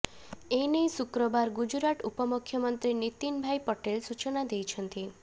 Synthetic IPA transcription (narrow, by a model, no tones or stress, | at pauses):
enejsukɾɔbaɾɡud͡ʒɾaʈupɔmukʰːjɔmɔnt̪ɾinit̪inbʱajpɔʈelsut͡ʃɔnad̪ejt͡ʃʰɔnt̪i